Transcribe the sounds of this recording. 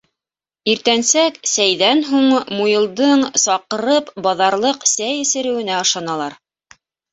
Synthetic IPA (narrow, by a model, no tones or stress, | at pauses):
iɾt̪ænsæksæjðænɦuɴmujɤ̆lˠd̪ɤɴsɑqɤ̆ɾɤpbɑðɑɾlˠɤqsæjɘ̆sɘ̆ɾɘ̆wɘ̆næɤʃɑnɑlˠɑɾ